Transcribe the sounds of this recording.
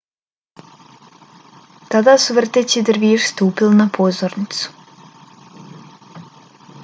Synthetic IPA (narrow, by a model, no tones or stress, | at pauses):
t̪ad̪asuvərt̪et͡ɕid̪əɾviʂst̪uːpilˠnapʰozoɾnɪt̪su̥